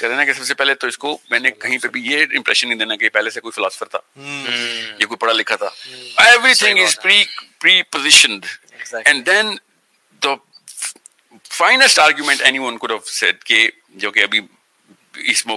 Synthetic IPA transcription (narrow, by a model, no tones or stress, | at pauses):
kɐɾẽnakesɐbsepɛːlet̪oɪskomɛ̃ːnekɐɦĩpeɐbʱijeɪ̃mpɾɛ̰ʃə̃nːəĩd̪eːnakeepɛɦlesekoːifɪlaːsə̥fəɾt̪ʰa̰ː | jekoːipɐɽalɪkʰat̪ʰa̰ːɛʋɾit̪ʰɪ̃ŋɡɪzpɾipɾiːpozɪʃə̃nɖ | ɛ̃nɖd̪ɛ̃n | d̪ə | faɪnəsʈaːɾɡjumɛ̃ɳʈɛniʋə̃nkʊɖɛʋsɛ̰ɖ̚ke | d͡ʒoːkeɐbʱi | ɪsmɔː